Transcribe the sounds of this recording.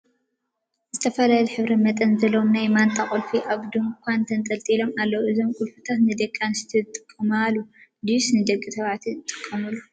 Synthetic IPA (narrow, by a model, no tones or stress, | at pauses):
zɨt̪ʰɐfɐlajlħɨβɾɐmɐt̪ʼɐnzɐlowmnajmant̪ʼakʼulfiʔaβd̪ɨmkʰʷant̪ʰɐnt̪ʼɐlt̪ʼilo̞malːɐwuʔɨzo̞mkʼulfɨt̪ʰat̪nɨd̪ɐkʼːanɨst̪ʰɨt̪ʼːɨ̥kʼːɐmalud̪isnɨd̪ɐkʼːit̪ʰɐβʕt̪ʰiɨt̪ʼːɨkʼːɐmɨlːu